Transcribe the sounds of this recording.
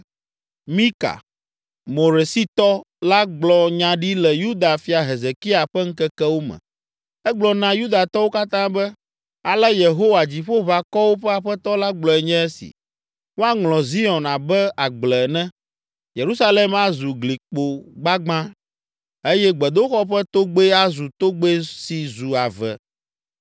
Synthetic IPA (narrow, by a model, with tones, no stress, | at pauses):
mĩ˦ka̰˨ | mo˨ɾe˨si˦t̪ɔ˦ | la˦ɡ͡blɔ˨ɲã˨ɖi˦lɛ˨ju˦d̪a˨fi˨˦a˨ɦe˨ze˨ki˦a˨ɸɛ˦ŋ̩˦kɛ˦kɛ˦wo˦mɛ̰̃˨ | ɛ˦ɡ͡blɔ˨nã˦ju˦d̪a˨t̪ɔ˦wo˦ka˦t̪ã˦bɛ˦ | a˨lɛ˦je˨ɦo˦wa˨d͡ʑi˨ɸo˦βa˨kɔ˦wo˦ɸɛ˦a˨ɸɛ˦t̪ɔ˦la˦ɡ͡blɔ˨ɛ˨ɲɛ̃˦ɛ˦sḭ˨ | ŋõ˦a˦ŋlɔ̃˨zi˦ɔ̃˨na˨bɛ˦a˨ɡ͡blɛ˨nɛ̃˦ | je˨ɾu˦sa˦le˦ma˨zu˨ɡli˨k͡po˨ɡ͡ba˦ɡ͡bã˦ | e˦jɛ˦ɡ͡bɛ˨d̪o˦xɔ˦ɸɛ˦t̪o˦ɡ͡be˦a˦zu˨t̪o˦ɡ͡be˦si˨zu˨a˨vɛ̰˨